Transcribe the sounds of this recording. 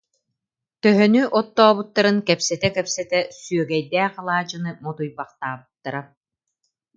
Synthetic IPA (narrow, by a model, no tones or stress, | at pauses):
t̪œɦœnyʔɔt̪ːɔːβut̪ːaɾɯnkɛpsɛt̪ɛkɛpsɛt̪ɛsyœɡɛjd̪ɛːqalˠaːd͡ʒɯnɯmɔt̪ujbaχt̪aːbɯt̪ːaɾa